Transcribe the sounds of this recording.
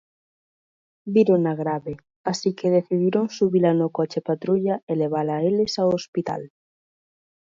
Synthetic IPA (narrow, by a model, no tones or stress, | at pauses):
biɾonaɣɾaβe | asikeðeθiðiɾoŋsuβilanokɔt͡ʃepat̪ɾuʎaeleβ̞alaelesaoospit̪a̰l